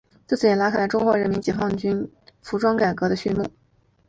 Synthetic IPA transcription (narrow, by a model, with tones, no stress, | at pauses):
t͡st͡sɹ̩˥˩jɛ˨˩la˧˥kʰla˧˥ʈ͡ʂʊ˥ŋxwɔ˧˥ɻə˧˥nmi˧˥nt͡ɕjɛ˨˩fɑ˥˧˩ŋt͡ɕy˥n | fu˧˥ʈ͡ʂwɑ˥ŋka˨˩ɪkɤ˧˥ɾə˧ɕy˥˧mu˥˩